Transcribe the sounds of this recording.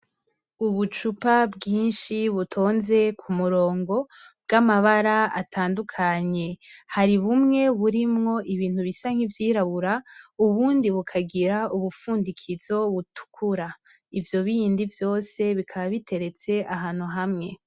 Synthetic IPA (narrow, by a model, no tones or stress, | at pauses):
uβut͡ʃupabɡiːnʃiβutʰoːnze̞kʰumuɾo̞ːŋɡo̞bɡamaβaɾaa̰tʰaːndukʰaɲe̞haɾiβumŋe̞βuɾimŋo̞ʔiβiːn̥huβisaŋ̥hivjiːɾaβuɾauβuːndiβukʰaɡiɾauβufuːndikʰizo̞βutʰu̥kʰuɾa | ivjo̞βiindivjo̞ːse̞βikʰaβaβitʰe̞ɾe̞t͡se̞ʔaɦaːn̥huɦamŋe̞